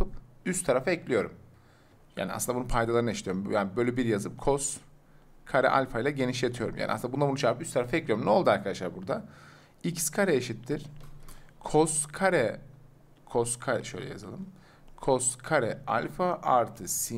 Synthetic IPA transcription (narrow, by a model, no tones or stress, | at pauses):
ɯpyst̪ʰaɾafaɛclʲijo̞ɾṵm | ja̰ːnia̰sɯnbununpʰajd̪alˠaɾɯneʃt̪ʰijoɾumjaːnbølʲybiɾjazɯp̚kʰos | kʰaɾɛ̰ʔa̰lʲfajlˠaɟeniʃlʲet̪ʰijo̞ɾumja̰ːnʔasɯnd̪aund̪abunuʃaɾɯpyst̪ʰaɾafaɛclʲijoɾumnolˠd̪uaɾkʰad̪aʃlˠaɾbuɾd̪a | icʰi̥skʰaɾɛeʃit̪ʰːiɾ̥ | kʰoskʰaɾɛ | kʰoskʰaɾɛʃøjlʲɛ̰ja̰za̰lˠɯm | kʰoskʰaɾɛa̰lʲfaʔaɾt̪ʰɯsi